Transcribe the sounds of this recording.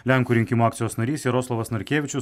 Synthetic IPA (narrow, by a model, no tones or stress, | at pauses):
lʲæŋkuːɾʲɪŋʲkʲɪmoːakt̪sʲɪjoːsnɐɾʲiːsʲeɾoːslˠoʋɐsnɐɾʲkʲeːʋʲɪt͡ʃʲʊs